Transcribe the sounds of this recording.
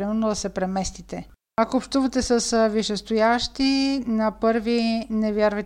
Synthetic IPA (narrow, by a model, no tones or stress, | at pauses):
imɛnod̪ɐsɛpɾɛmɛst̪it̪ɛ | akoːpʃt̪uvɐt̪ɛsɐsviʃɛst̪ojaʃt̪inɐpɤɾvinɛvjaɾvɐjt̪